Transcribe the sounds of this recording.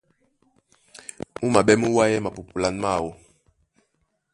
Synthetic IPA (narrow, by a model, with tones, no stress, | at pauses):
u˦ma˨ɓɛ˦mu˦wa˦jɛ˦ma˨pu˨pu˨la˦nma˦˨wu˨